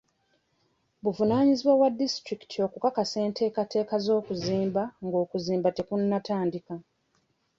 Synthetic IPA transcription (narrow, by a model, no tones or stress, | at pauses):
βuvunaːɲiziβwawadːistɾiki̥tʰio̞kukakase̞ːnte̞ːkate̞ːkazo̞ːkuziːmbaŋɡo̞ːkuziːmbate̞kunːataːndika